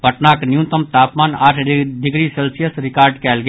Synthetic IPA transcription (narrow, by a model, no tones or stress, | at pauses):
bʱəʈnaknjũnt̪əmt̪aːpmaːna̰ːʈʰɖɪɡɾiselsijəsɾɪkaːɾɖkɛːlɡ